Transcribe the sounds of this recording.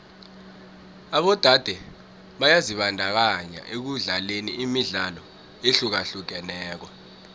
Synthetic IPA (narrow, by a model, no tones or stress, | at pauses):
aɓɔd̥ʱad̥ʱɛ | ɓajaziɓandʱak̬aɲa̰ʔek̬uɮaleniimiɮalɔ | eɬuk̬aɬuk̬ɛnɛːk̬wɔ